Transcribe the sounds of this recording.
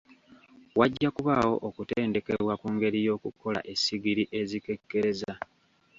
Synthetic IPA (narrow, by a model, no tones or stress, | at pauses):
waɟːakuβawo̞ʔokuteːnde̞ke̞βwakuːŋɡe̞ɾijo̞ːkuko̞la̰ʔe̞siɡiɾiʔe̞zike̞kːe̞ɾe̞za